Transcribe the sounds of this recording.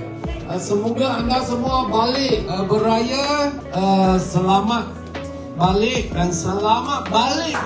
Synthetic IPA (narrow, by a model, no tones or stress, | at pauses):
əsəmuɡaaŋɡasəmuabalɪʔəbəɾaja | əsəlamat̪̚ | balɪʔ̚dansəlamat̪̚balɪk